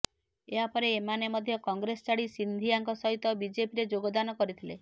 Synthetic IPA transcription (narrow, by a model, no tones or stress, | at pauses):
eɦapɔɾeːmanemɔd̪ʱjɔkɔŋɡɾesɔt͡ʃaɽisind̪ʱiaŋkɔsɔɦit̪ɔbid͡ʒepiɾed͡ʒoɡɔd̪anɔkɔɾit̪ʰile